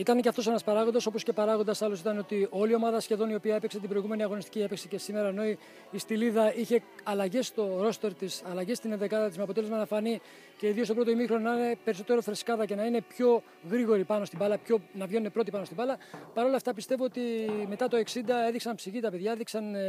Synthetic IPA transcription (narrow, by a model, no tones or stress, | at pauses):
it̪ɐneceɐft̪o̞senɐspɐɾɐɣo̞nd̪ɐso̞po̞sce̞pɐɾɐɣo̞nd̪ɐsɐlo̞sit̪ɐno̞t̪io̞lio̞mɐðɐsçe̞ðo̞nio̞piɐe̞pekset̪ibɾo̞iɣume̞niɐɣo̞nist̪cie̞peksece̞sime̞ɾɐeno̞i | ist̪iliðɐiçe̞ɐlɐʝe̞st̪o̞ɾo̞st̪e̞ɾt̪isɐlɐʝest̪inenðekɐðɐt̪izmeɐpot̪e̞lezmɐnɐfɐni | ce̞iðiost̪oɾot̪oimixɾononɐne̞pe̞ɾiso̞t̪e̞ɾo̞θɾe̞skɐðɐce̞nɐine̞pço̞ | ɣɾiɣo̞ɾipɐno̞st̪ibɐlɐpço̞nɐvʝe̞ne̞pɾo̞t̪ipɐnost̪ibɐlɐpɐɾo̞lɐft̪ɐpist̪evoot̪ime̞t̪ɐt̪o̞e̞ksind̪ɐe̞ðiksɐnpsiʝit̪ɐpe̞ðʝɐeðiksɐn